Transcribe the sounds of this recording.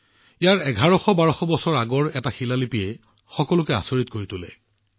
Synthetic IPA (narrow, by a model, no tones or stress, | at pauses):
ijaɹɛɡʱaɹɔxɔbaɹɔxɔbɔsɔɹaɡɔɹɛtaxilalipijɛ | xɔkɔlʊkɛa̰soɹitkoɹitʊlɛ̰